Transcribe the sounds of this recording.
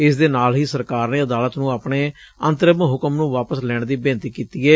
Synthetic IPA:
ɪsd̪eːnaːlɦiːsəɾkaːɾneːəd̪aːlət̪nũːaːpɳeː | ənt̪əɾəmɦʊkəmnũːʋaːpəslɛːɳd̪iːbẽːnt̪iːkiːt̪iːɛː

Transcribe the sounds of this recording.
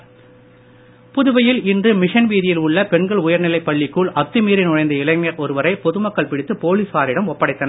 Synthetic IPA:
pʊðʊʋɐjɪlɪndrɯmɪʂɐnʋiːðɪjɪlʊɭːɐpɛɳɡɐɭʊjɐɾnɪlɐɪpːɐɭːɪkːuɭɐt̪ːɯmiːɾɪnɔɻɐɪnd̪ɐɪɭɐŋːɐɾɔɾɯʋɐɾɐɪpɔðɯmɐkːɐɭpɪɽɪt̪ːɯpoːliːsʋaːɾɪɽɐmɔpːɐɽɐɪt̪ːɐnɐ

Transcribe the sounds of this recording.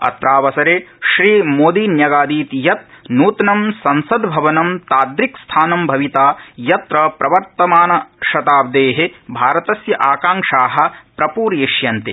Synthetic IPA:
ɐ̰t̪ɾaːʋɐsɐɾeːʃɾiːmoːd̪iːnjɐɡaːd̪iːt̪jɐt̪̚nuːt̪nɐmsɐnsɐd̪bʱɐʋɐnɐmt̪aːd̪ɾikst̪ʰaːnɐmbʱɐʋit̪aːjɐt̪ɾɐpɾɐʋɐɾt̪ɐmaːnɐʃɐt̪aːb̚d̪eːɦebʱaːɾɐt̪ɐsjɐʔaːkaːŋʂaːɦɐ̆pɾɐpuːɾjeʃjɐnt̪e

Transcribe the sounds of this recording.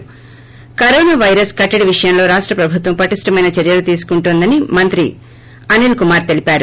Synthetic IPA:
kɐɾɔːnaːʋɐjɾɐskɐʈːɐɽiʋiʂɐjɐmlo̞ːɾaːʂʈɾɐpɾɐbʱut̪ʋɐmpɐʈisʈɐmɐjnɐt͡ʃɐɾjɐlut̪iːsu̥kuɳʈund̪ɐnimɐnt̪ɾi | ɐnilkumaːɾt̪e̞lipaːɾu

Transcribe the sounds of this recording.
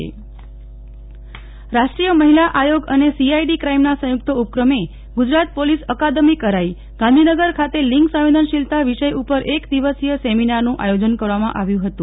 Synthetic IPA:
ḛ | ɾaʃʈɾijəməɦilaʔajoɡənesiajɖikɾaimnasə̃juk̚t̪ʰəup̚kɾəme | ɡud͡ʒɾat̪̚polisəkad̪əmikəɾai | ɡ̥ãnd̪ʱinəɡəɾkʰat̪eliŋksə̃ʋid̪ʱənʃilt̪aʋiʃəjupəɾʔekd̪iʋəsijəseminaɾnũʔa̰jod͡ʒənkəɾʋamãʔaʋjũɦət̪ũ

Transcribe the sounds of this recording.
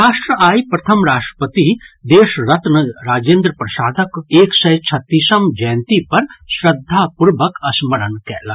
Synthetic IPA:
ɾaːʃʈɾəaːjpɾɐt̪ʰɐmɾaːʃʈɾə̥pət̪id̪eːʃɾɐt̪nəɾaːd͡ʒẽːnd̪ɾəpɾɐsaːd̪ʱɐkeːksɐjt͡ʃʰɐt̪ːisɐmd͡ʒɛːnt̪ipɐɾsɾɐd̪ʱːapuɾʋɐkɐsmɐɾənkɛːla

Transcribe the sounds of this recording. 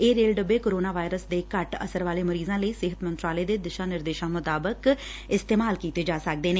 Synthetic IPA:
eːɾeːlɖəbeːkoːɾoːnaːʋaːɪɾəsd̪eːkəʈə̰səɾʋaːleːməɾiːzãːləiːsɪɦət̪mənt̪ɾaːleːd̪eːd̪ɪʃãːnɪɾd̪eːʃãːmʊt̪aːbək | ɪst̪eːmaːlkiːt̪eːd͡ʒaːsək̚d̪eːneː

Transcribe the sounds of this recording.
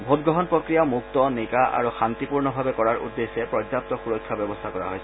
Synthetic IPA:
bʱotɡɹɔɦɔnpɹɔkɹijamuk̚t̪ɔnikaʔa̰ɹuxant̪ipuɹnɔbʱabɛkɔɹaɹʔṵdːesːɛpɹɔd͡ʒap̚t̪ɔxuɹɔkʰːabɛbɔst̪ʰakɔɹa̰ɦojsɛ

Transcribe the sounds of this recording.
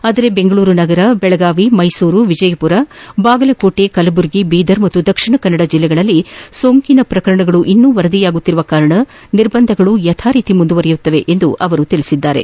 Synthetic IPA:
aːd̪ɐɾebe̞ŋɡɐɭuːɾunɐɡɐɾɐbɛɭɐɡaːʋimɐjsuːɾuʋid͡ʒɐjɐpuɾɐbaːɡɐlɐkoːʈekɐlɐbuɾɡibiːd̪ɐɾmɐt̪ːud̪ɐkʂiɳɐkɐnːɐɽɐd͡ʒilːɛɡɐɭɐlːisoːŋkinɐpɾɐkɐɾɐɳɐɡɐɭuʔinːuːʋɐɾɐd̪ijaːɡut̪ːiɾuʋɐkaːɾɐɳɐ | niɾbɐnd̪ʱɐɡɐɭujɐt̪ʰaːɾiːt̪imund̪uʋɐɾɐjut̪ːɐʋe̞ʔend̪uʔɐʋɐɾut̪iɭisid̪ːaːɾḛ

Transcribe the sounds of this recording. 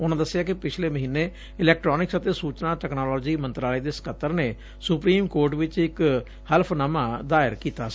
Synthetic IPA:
ʊnãːd̪əsːɪjaːkɪpɪt͡ʃʰleːməɦiːnːeː | ɪlɛːk̚ʈɾɔːnɪksət̪eːsuːt͡ʃnãːʈɛːknaːlɔːd͡ʒiːmə̃nt̪ɾaːliːd̪eːsə̥kʰət̪ːəɾneː | sʊpɾiːmkoːɾʈʋɪt͡ʃɪk | həlpʰnəmãːd̪aːɪɾkiːt̪aːs

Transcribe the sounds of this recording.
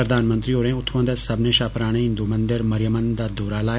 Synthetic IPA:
ɾəd̪ʱaːnmə̃nt̪ɾioːɾẽʊt̪ʰwə̃nd̪ət̪sɐbnẽʃaːpɾaːɽ̃ẽɦɪnd̪umɐ̃nd̪ɪɾmɐɾjəmənd̪ad̪ʱoːɾalaː

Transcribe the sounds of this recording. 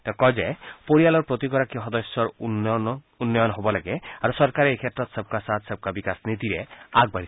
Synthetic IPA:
t̪ɛkɔd͡ʒepoɾialɔɾpɾot̪ikɔɾakiɦɔd̪ɔsjɔɾ | unːɔjɔnɔɦobɔlaɡeaɾosɔɾkaɾeekʰet̪ɾɔt̪seb̚kasat̪seb̚kabikasnit̪iɾeaɡ̚baɽi

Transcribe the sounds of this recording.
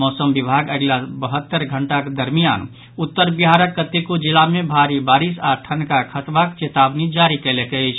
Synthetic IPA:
mɔːsəmbibʱaɡəɡlabəɦət̪ːəɾɡʱəɳʈakd̪əɾmija̰n | ut̪ːəɾbiɦaɾəkːət̪ekud͡ʒilamebʱaɾibaɾisaʈʰənkakʰət̪bakt͡ʃet̪abnid͡ʒaɾikɛlekəɪt͡ʃʰ

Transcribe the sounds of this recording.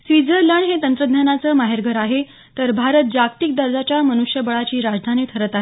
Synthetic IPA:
sʋid͡zʱələɳɦet̪ənt̪ɾəd̪ʱɲanat͡səːmaɦeɾɡʱəɾaɦe | t̪əɾbʱaɾət̪̚d͡ʑakt̪ik̚d̪əɾd͡zat͡ɕjamənuʂjəbəɭat͡ɕiːɾad͡ʑd̪ʱaniːt̪ʰəɾət̪aɦe

